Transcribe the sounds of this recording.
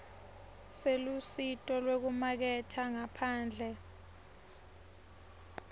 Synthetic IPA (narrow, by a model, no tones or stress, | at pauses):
selusitʼɔlwek̬umak̬ɛtʰaŋapʰaːnd͡ɮʱɛ